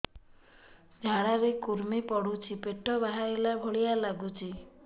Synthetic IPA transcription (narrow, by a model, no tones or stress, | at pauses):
d͡ʒʱaɽ̃aɾekuɾmipɔɽut͡ʃʰipeʈɔbaɦaɾelabʱoɭijalaɡut͡ʃʰi